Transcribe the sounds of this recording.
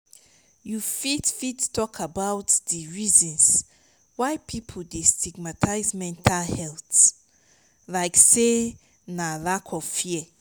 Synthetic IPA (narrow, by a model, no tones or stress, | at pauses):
jufidfittʰːɔkʰabawtdiɹizɔ̃ns | waɪpʰipʰoldestʰiɡmatʰaɪzmɛ̃ntʰalhɛlt | laɪkse | nalakʰɔfiɛ